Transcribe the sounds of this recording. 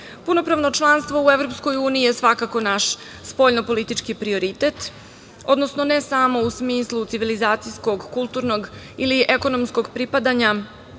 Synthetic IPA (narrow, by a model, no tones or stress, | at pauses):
puno̞pɾaʋno̞t͡ʃlˠanst̪ʋo̞uevɾopskojuːniijesʋakako̞naʃ | spo̞ʎnopo̞lit̪it͡ʂkipɾio̞ɾit̪et̪ | o̞d̪nosno̞ne̞saːmo̞usmiːslˠut̪siʋilizaːt̪sijsko̞ɡkulˠt̪uɾno̞ɡ | iliʔeko̞nomsko̞ɡpɾipad̪aɲa